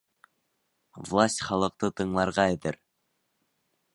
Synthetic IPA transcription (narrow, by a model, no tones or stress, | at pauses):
vlˠasʲtʲχɑlˠɤ̆q̚t̪ɤt̪ɤ̆ɴlˠɑɾʁɑed̪ɘɾ